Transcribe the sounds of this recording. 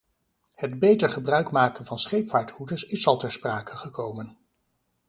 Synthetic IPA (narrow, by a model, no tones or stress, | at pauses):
hədbejtəɹχəbrœɥkmaːkənvɑnsχejpfaːɹthudəɹsɪsɑlˠtɛɹspraːkəχəkʰowmən